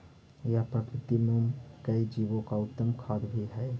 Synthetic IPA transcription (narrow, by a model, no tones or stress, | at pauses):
japɾəkɾɪt̪imumkəid͡ʒiʋõkaʊt̪ːəmkʰad̪bʱiɦɛe